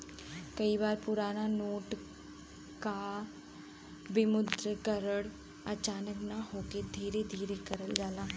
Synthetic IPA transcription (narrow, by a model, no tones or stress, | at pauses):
kɐibaːɾpʊɾaːnanoːʈ | ka | bɪmʊd̪ɾəkəɾəɽ | ɐt͡ʃaːnəknaɦoːked̪ʱiːɾed̪ʱiːɾekɐɾəld͡ʒaːlaː